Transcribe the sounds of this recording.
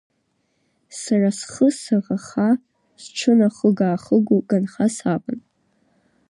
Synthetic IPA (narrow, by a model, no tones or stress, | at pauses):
sarasχəsaʁaχa | sʈ͡ʂʰɨnaχəɡaːχəɡʷuɡanχasapʼan